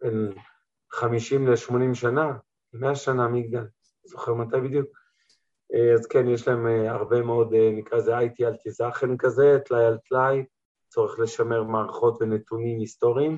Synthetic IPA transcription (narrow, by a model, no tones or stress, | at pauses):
ben | χamiʃimleʃmo̞nimʃana | lemeaʃanamiɡdal | zo̞χeʁmat̪ajbid̪juk̚ | eazkenjeʃlaemaʁbe̞meo̞d̪enikʁaezeajtialt̪izaχenkaze̞t̪lajalt̪laj | t͡so̞ʁeχle̞ʃame̞ʁmaːʁaχo̞tvenetunimisto̞ʁiim